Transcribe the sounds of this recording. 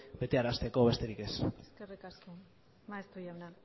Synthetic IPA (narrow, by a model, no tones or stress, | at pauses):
be̞t̪e̞aɾast̪e̞ko̞βe̞st̪e̞ɾike̞sskerikasko | mast̪ujawna